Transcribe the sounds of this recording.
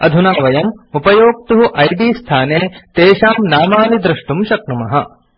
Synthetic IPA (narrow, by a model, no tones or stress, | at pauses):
ɐd̪ʱunaːʋɐjɐmupɐjoːk̚t̪uɦuʔɐjɖiːst̪ʰaːneːt̪eːʃaːmnaːmaːnid̪ɾiʂʈumʃɐkɳumɐɦɐ̰